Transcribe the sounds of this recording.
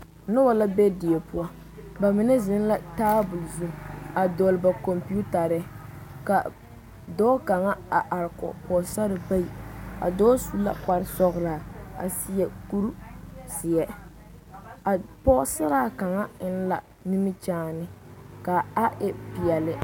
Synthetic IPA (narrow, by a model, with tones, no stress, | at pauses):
nʊ˦wa˨la˦be˦di˨e˨pʊ˦a˦ | ba˨mɪ˨˦nɛ˦zɪ˦n˦la˦taː˦bʊ˨lzu˨m˨a˨do˨lba˨ko˨mpi˦u˦ta˨ɾɪ˦ka˨ | dɔː˦ka˨ŋa˦a˨ʔa˨ɾɪ˨kɔ̰˨pɔ˨sa˦ɾɪ˨ba˦i˨a̰˨dɔː˦su˦la̰˨k͡pa˨ɾɪ˦sɔ˦ɣɾaː˨a̰˨si˦jɛ˨ku˦ɾsɪ˨jɛ˦ | a˨pɔ˦sa˦ɾaː˦˨ka˨ŋa˦ɪ˦n̩˦la̰˨ | ni˦mɪ˦t͡ʃaː˦nɪ˦ka˨a˦ʔɛ˦pi˨ɛ˨lɪ˦